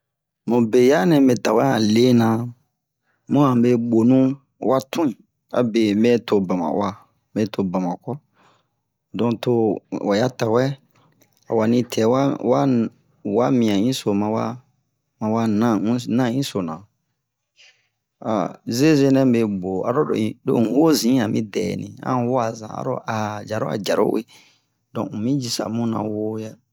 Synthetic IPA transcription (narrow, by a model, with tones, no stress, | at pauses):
mũ˨be˨ja˦nɛ̃˨be˨ta˨wɛ˦a˨le˦nã˨ | mɔ̃˦ã˨be˧ɡ͡bo˨nũ˦ | wa˦tʰũ˦ĩ˨ | a̰˨be˨mɛ˦tʰo˨ba˨mã̰˨wa˨ | mbe˦tʰo˨ba˨mã˨kɔ˦ | dɔ̃˨to˧wa˨ja˦ta˨wɛ˦ | a̰˨wa˨nĩ˧˦tʰɛ˨˦wa˦wa˦ | wa˦mĩ˨ã˨ĩ˦so˨mã˧wa̰˦ | mã˨wa˦nã˦nã˦˨ĩ˦so˨nã˨ | a̰˨ze˦ze˦nɛ̃˦be˧ɡ͡bo˨a̰˨ɾo̰˦˨do̰˦˨wo˦zĩ˨˦a˨mĩ˦dɛ̰ː˨nḭ̃˨ã̰˦wo˦a˨zã̰˨a̰˨˦ɾo̰˦ʔa˨d͡ʒa˨ɾo˦a̰˨d͡ʒa˨ɾo̰˦wḛ˦ | dɔ̰̃˨u˨mĩ˦d͡ʒi˨sa̰˨mũ˦nã̰˨wo˦ja˦